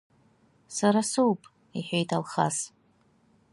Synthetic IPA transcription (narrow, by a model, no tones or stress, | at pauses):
saɾasowpʼ | iħʷᶣejtʰalχa̰s